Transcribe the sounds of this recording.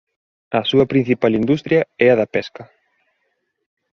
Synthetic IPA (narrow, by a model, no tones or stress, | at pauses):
ɐsuɐpɾin̟θipalind̪ust̪ɾjɐɛɐðɐpɛskɐ